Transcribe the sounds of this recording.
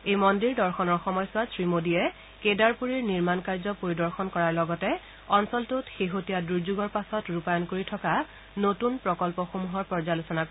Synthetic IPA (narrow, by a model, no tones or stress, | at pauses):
ejmɔndiɹdɔɹxɔnɔɹxɔmɔjsʊasɹimodijɛ | kedaɹpuɹiɹniɹmankaɹzɔpoɹidɔɹxɔnkɔɹaɹlɔɡɔtɛ | ɔnsɔltutxeɦotijaduɹzuɡɔɹpasɔtɹupajɔnkoɹitʰɔka | notunpɹɔkɔlpɔxomuɦɔɹpɔɹzalosɔnak